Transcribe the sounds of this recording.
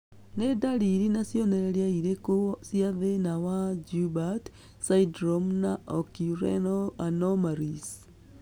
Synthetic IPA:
nedaɾiɾinasjɔnɛɾeɾiaiɾekosjiaðenawad͡ʒubat | saidɾomnaʔɔkiuɾɛ̰noanɔmaɾis

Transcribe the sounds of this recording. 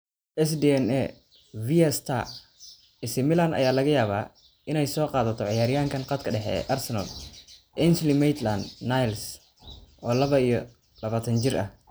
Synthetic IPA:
ʔɛsd̪iɛnɛ | viɛst̪ʰa̰ | ɪsɪmɪlanɐ̰jaːlɐɣɐjaːβa̰ː | ɪnɛjsɔːqɑːðɐt̪ʰɔʕɪjaːɾɪjaːŋkʰɐnqɑd̪kʰɐɖɛħɛ̰ʔɐrsɛnɐ̰lʔɛnslimɛjt̪land̪najls | ʔɔːlɐβɐijɞ | lɐβaːt̪ʰɐnt͡ʃɪrʔɐ̰h

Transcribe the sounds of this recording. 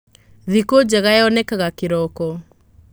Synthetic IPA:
ðikod͡ʑɛɣaɛɔnɛkaɣakeɾɔkɔ

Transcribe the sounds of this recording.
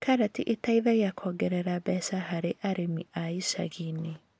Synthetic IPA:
kʰaɾatiʔetaiðajakʰɔɡɛɾɛɾabɛsaɦaɾeʔaɾemiʔaisa̰ɣini

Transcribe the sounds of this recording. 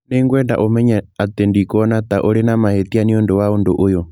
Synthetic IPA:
nɛŋɡwɛnda̰ʔomɛɲaat̪ɛndikɔnat̪aʔoɾɛnamahet̪ianiɔndɔwaɔndoʔʊjɔ

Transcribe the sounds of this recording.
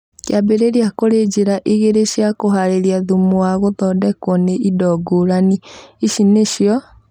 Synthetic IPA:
kjabeɾeɾiakoɾed͡ʒeɾaʔiɣeɾeɕjakoɦaɾeɾiaðumowaɣoðɔdɛkwɔneʔidɔɡoɾaniiʃineʃjɔ

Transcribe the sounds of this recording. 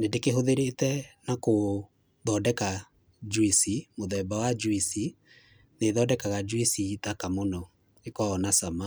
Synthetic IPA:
nedekeɦoðeɾetɛnako | ðɔdɛka | d͡ʒwisimoðɛbawad͡ʒwisi | neðɔːdɛkaɣad͡ʒwisitakamonɔ | ekɔːnasama

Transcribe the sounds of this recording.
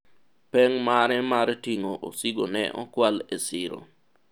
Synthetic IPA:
pɛŋmaɾɛmaɾtiŋoʔo̰siɡonɛ̰ʔɔ̰kwalesɪɾo̰

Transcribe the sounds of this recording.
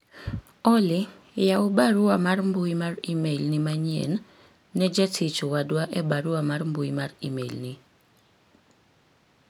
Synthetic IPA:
ɔlɪ | jaʊbaɾʊamarmbujimarimelnimaɲiɛ̰nː | ɛd͡ʒatʰit͡ʃowadwaʔɛbaɾʊamarmbujimarḭmḛlni

